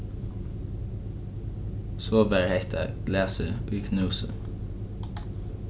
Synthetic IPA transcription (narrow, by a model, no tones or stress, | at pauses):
soːbæɹhæɪt̪ʰə̰ɡ̥læːsəʉːkʰnʉːsə̰